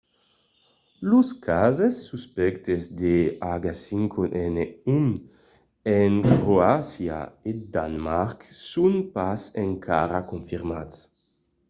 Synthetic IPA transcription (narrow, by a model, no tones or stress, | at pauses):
luskʰazesːuspɛkt̪ezd̪eaɡasiŋkʰoʔɛneun | eŋkɾoasja̰ed̪anmaɾksunpaseŋkʰa̰ɾakoɱfiɾmatt͡s